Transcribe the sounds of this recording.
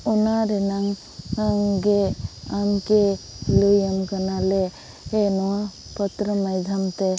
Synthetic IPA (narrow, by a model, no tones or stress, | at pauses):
unaɾɛnaŋ | kaŋɡeamke | lujəmkanale | enɔwa | pɔt̪ɾəmajd͡ʒʱamt̪e